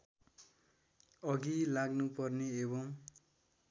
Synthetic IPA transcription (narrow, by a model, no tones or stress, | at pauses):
ʌɡilaɡnupʌrneebʌŋ